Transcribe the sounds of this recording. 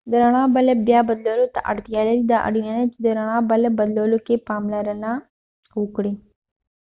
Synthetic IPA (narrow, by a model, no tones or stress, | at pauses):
d̪əɾəɽ̃ãːbəlebjaːbəd̪loːlot̪a̰ʔə̰ɽt̪ijaːleɾid̪aːʔə̰ɽinanẽt͡ʃid̪əɾəɽ̃ãːbələbəd̪loːlokepaːmlaɾənãː | kuːkɽiː